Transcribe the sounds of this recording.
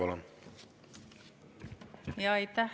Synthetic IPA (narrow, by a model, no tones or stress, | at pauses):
ɑlon | jɑɑjt̪ːæ